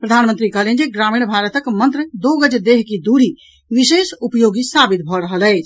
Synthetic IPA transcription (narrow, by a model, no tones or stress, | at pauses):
pɾəd̪ʱanmənt̪ɾikəɦlend͡ʒeɡɾamiɽ̃bʱaɾət̪əkmə̃nt̪ɾəd̪oɡəd͡ʒed̪eɦkid̪uɾi | ʋisesupjoɡisabit̪̚bʱɔɾəɦəlɛɪt͡ʃʰ